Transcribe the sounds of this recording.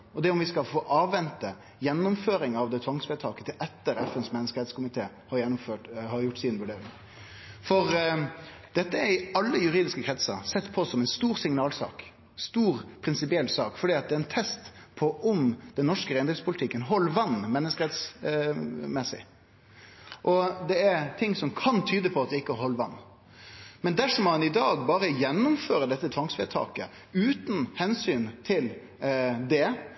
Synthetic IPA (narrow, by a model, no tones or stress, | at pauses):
ɔd̪ɛʊmʋɪskɑfoːʔɑːʋːɛnt̪ə | jɛnːʊmføːɾɪŋɑʋd̪ɛt̪ʰʋɑŋsbɛɪt̪ʰɑːkə̥t̪ʰɪʔɛt̪ːəɾɛfɛnsmɛnːəskəɾɛt̪skʊmɪt̪ʰeː | hɑɾjɛnːʊmføːʈhɑɾjʊʈːsɪnʋʉɖeːɾɪŋ | fɔɾ | d̪̥ɛt̪ːəæɾɪɑlːəjʉɾiːd̪ɪskəkʰɾɛt̪sə̰ɾsɛt̪ːpʰɔsɔmɛnst̪uːɾsɪŋnɑːlsɑ̰ːk | st̪uːɾpʰɾɪnsɪpɪɛlːsɑːkfɔɖiːɑt̪̚d̪ɛæɛnt̪ʰɛst̪pʰɔʔʊmd̪̥ɛnnːɔʂkəɾɛɪnd̪ɛspʰʊlɪt̪ʰɪkːənɦɔlːʋɑnːmɛnːəskəɾɛt̪s | mɛsɪ̰ | ʔɔd̪ɛɛɾt̪ʰɪŋːsɔmkʰɑnt̪ʰyːd̪əpʰɔɑt̪̚d̪ɛɪkːəɦɔlːʋɑnː | mɛnd̪æʂɔmːɑnɪd̪ɑːɡbɑːɾəjɛnːʊmføːɾəd̪ɛt̪ːət̪ʰʋɑŋsʋɛ̰t̪ʰɑ̰ːkə | ʉːt̪nhɛnsyːnt̪ʰɪl | d̪ɛ